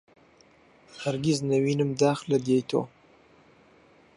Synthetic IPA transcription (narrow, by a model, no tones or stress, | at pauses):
haɾɡiznawinəmd̪ɑːxlad̪jejt̪ʰo̰